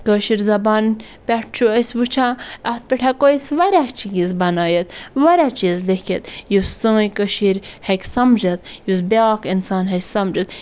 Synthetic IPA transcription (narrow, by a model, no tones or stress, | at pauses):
kəʃiɾzɐbaːn | pʲɛʈ̚ʰt͡ʃʰuəsʋut͡ʃʰãːɐt̪̚piʈʰakoisʋɐɾʲakt͡ʃiɡizbɐnaːjɐt̪̚ʋɐɾʲat͡ʃizlikʰit̪jusːə̃ːjkəʃiɾhɐkʲsɐmd͡ʒɐt̪̚juzbʲaːkinsaːnɦɐkʲsɐmd͡ʒɐt̪̚